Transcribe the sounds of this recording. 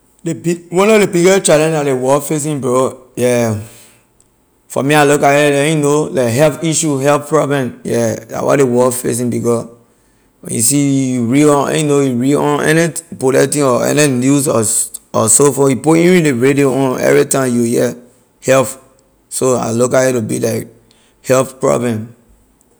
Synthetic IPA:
debiwɔ̃nɔvdebiɡɔt͡ʃadɛ̃ndadewɔfes̬ĩnbɔjɛ | fɔ̰mialukaɛlɛjunolaɦɛlpiʃuɦɛlppɹɔblɛ̃mjɛa̰wʔɔ̰dewɔfḛs̬ĩnbikɔ | wɛ̰̃njṵsijuɹiɔ̃ɛ̰ninojuɹiɔ̃nɛ̰nipolɛtĩɔɛ̰ninjusɔɔ̰sofɔjipuĩɹĩleɹedioɔ̃nɛ̰vɹitãmjujɛ | hɛlf | soa̰lokahɛtubḭlaɪk̚ | hɛlppɹɔ̰blɛ̃m

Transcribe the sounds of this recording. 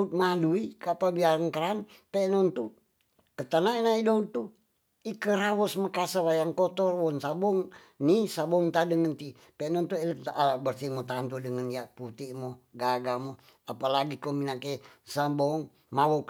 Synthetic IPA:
ut̪̚maduikapabiaɾaŋkəɾan | pɛnɔnt̪u | kət̪anaenaidout̪ːu | ikəɾawɔsmakasawajaŋkɔt̪ɔrwɔnsabɔŋ | nisabɔŋt̪adəŋənt̪i | pɛnɔnt̪uɛlək̚abərsimot̪ant̪udəŋənjaʔput̪iʔmoɡaɡamo | apalaɡikominakesambɔŋ | mawɔk

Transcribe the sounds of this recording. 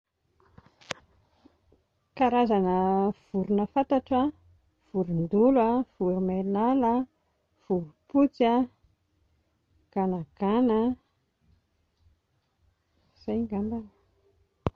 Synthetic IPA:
kaɾazanəv̥uɾunəfat̪aʈ͡ʂa | v̥uɾund̪ulav̥uɾumenalə | v̥uɾuput͡sia | ɡ̥anaɡ̥anə | z̥ajŋɡamban

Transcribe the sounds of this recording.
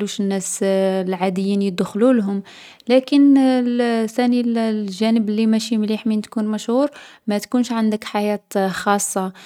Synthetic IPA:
luʃənːæslʕad̪əjːinjəd̪xlulɦʊm | lækən | sænilʒænəbəlːimæʃimliħmint̪kunmæʃhuɾ | mæt̪kunʃʕand̪əkħajæt̪xɑsˤːɑ

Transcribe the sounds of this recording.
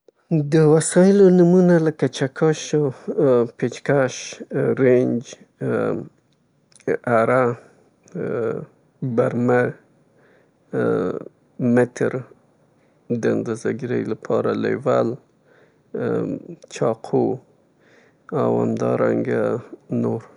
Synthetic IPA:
d̪əwasɑjɪlonumunaləkat͡ʃakʰɑʃo | pet͡ʃkaʃɾend͡ʒ | aɾa | baɾma | mɪt̪ɾ | d̪ənd̪azaɡiɾəjlapʰɑɾalḛwa̰l | t͡ʃʰɑqʰo | awa̰md̪ɑ̰ɾa̰ŋɡanoɾ

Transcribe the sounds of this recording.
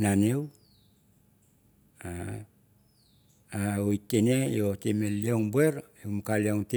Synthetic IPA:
nanew | a | aoitːenejotemelioŋbue̞ɾ | emukalioŋte

